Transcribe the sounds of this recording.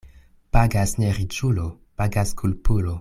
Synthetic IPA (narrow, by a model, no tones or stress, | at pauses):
paɡasneɾit͡ʃulo | paɡaskʰulpulo